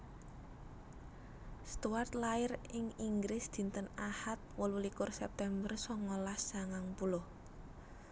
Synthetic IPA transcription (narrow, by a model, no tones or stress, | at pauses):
st̪uart̪laɪrɪŋiŋɡɾɪsd̪̥i̤nt̪ənahat̪̚wəlulikʊrsɛp̚t̪ɛmbərsɔŋolahsaŋaŋpulʊh